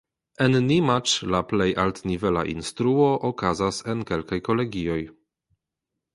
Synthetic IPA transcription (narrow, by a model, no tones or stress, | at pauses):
enːimat͡ʃlaplejʔaltnivela̰ʔḭnstɾuoʔokazasenke̞lkajko̞le̞ɡio̞j